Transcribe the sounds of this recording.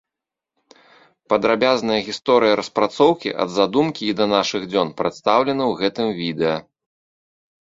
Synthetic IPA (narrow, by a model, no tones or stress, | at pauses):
pɐd̪ɾabʲaznɐjɐɣʲist̪ɔɾɨjɐɾɐspɾat̪sɔwkʲḭʔɐ̰d̪zad̪umkʲiːd̪ɐnaʂɨɣd͡zʲɔnpɾɨt̪st̪awlʲɛnɐwɣɛt̪ɨmvʲid̪ɛjɐ